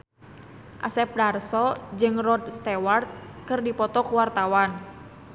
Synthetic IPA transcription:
ʔa̰sɛp̚darsɔd͡ʒɨŋrɔd̪st̪ɛwart̪̚ | kɨrdipɔt̪ɔkuwart̪awan

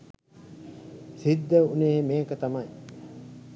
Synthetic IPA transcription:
sid̪ːəuneːmeːkət̪amɐj

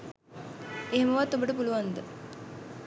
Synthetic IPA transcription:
eɦeməʋat̪ːobəʈəpuluʋand̪ə

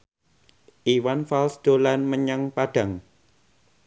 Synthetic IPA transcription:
ʔiwanfalsd̪̥olanməɲaŋpaɖ̥ä̤ŋ

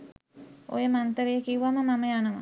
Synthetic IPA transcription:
o̰jəmant̪əɾejəkiuʋaməmaməjanəm̰

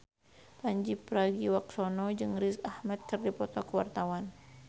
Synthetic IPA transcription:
paɲd͡ʒipɾaɡiwaksɔnɔd͡ʒɨŋɾisahmɛt̪̚kɨrdipɔt̪ɔkəwa̰rt̪awan

